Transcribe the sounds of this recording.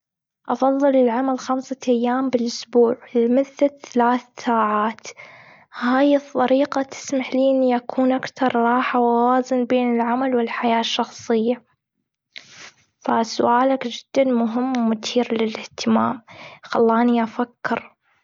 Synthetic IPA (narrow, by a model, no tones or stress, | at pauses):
ʔɑfɑðˤːɨlɪlʕamalxamsaʔajːaːmbɪlʔʊsbuːʕlmɪθːaθalaːθsaːʕaːt̪ | haːjɨt̪ˤːɑɾiːqat̪ʰɪ̥smaħliːniʔakʰuːnʔakθɑɾˤɾˤɑːħawawaːzɪnbeːnɪlʕamalwɪlħajaːʃːɑxsˤɨjːa | fasʊʔaːlakd͡ʒɪd̪̥ːanmʊɦɪmːwɪmʊt̪ʰiːɾlɪlɪht̪ʰɪmaːmxɑlːɑːniʔafakːɪɾ